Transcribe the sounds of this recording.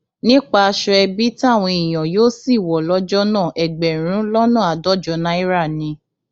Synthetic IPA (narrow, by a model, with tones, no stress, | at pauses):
nĩ˦k͡pa˧ʃɛ˧ɛ˧bi˦ti˦a˦˨w̃ɔ̃˧i˨j̃ã˨joː˦si˦˨wɔ˨lɔ˦d͡ʒɔ˦nã˦˨ʔɛ˨ɡ͡bɛ˨ɾ̃ũ˨˦lɔ˦nã˦˨a˨dɔ˦d͡ʒɔ˨˦nã˦i˦ɾa˦˨nĩ˧˦